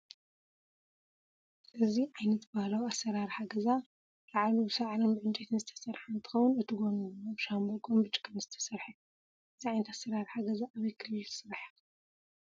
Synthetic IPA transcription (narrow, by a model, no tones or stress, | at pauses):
ʔɨziʕajnɐt̪bahlawasːɐɾaɾħaɡɐza | laʕlubɨsɐʕalombɨʕɨnt͡ʃʼet̪ʰɨnzɨt̪ʰɐ̥sɐɾħant̪ʰɨ̥xɐwunɨt̪ʰɨɡonuaβʃambɐkʼombɨt͡ʃʼi̥kʰːɐnzɨt̪ʰɐ̥sɐɾħa | ʔɨziʕajnɐt̪asːɐɾaɾħaɡɐzaʔːβɛkʰɨlɨlt̪ʰɨ̥sɨɾħḁ